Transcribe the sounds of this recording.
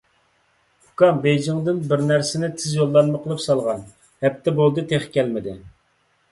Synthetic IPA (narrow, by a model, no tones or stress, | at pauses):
hukɑmbejd͡ʒɪŋd̪ɪnbɪɾnæɾsɪnɪt̪ʰɪzjolˠːɑnmɨqʰəlˠɨpsɑlˠʁɑn | hɛp̚t̪ʰːɛbolˠd̪ɨt̪ʰeχkʲɛlmɪd̪ɪ